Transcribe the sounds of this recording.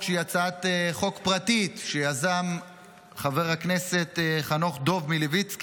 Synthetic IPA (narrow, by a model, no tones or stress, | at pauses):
ʃejat͡sat̪eχo̞kpʁat̪it̪ʃejazam | χave̞ʁhakne̞se̞t̪χanoχd̪o̞vmilevit͡sk